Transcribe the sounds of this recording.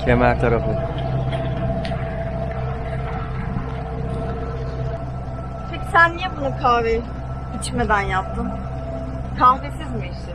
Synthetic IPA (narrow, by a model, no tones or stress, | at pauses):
cʰemæɾt̪ʰaɾafɯ | pʰeci̥sænːijebunɯkʰaːɾe | it͡ʃmed̪ænjap̚t̪ʰɯm | kʰanfesizbiʃ